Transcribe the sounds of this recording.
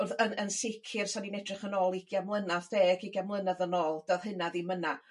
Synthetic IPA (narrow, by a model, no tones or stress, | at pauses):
ʊrðənənsɪkʰɨrsaninɛdrɨχənɔːlˠiɡjamlˠənaθdeːɡiɡjamlˠənaðənoːlˠd̥ɔð̥hɨnaðiməna